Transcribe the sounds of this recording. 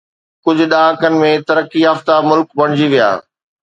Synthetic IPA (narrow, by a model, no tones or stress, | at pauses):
kʊd͡ʑʱʊ̆ɗaːãkənɪ̆mẽt̪ɐɾəkːiɦəft̪amʊlkbɐɽ̃ɪd͡ʑiʋija̰ː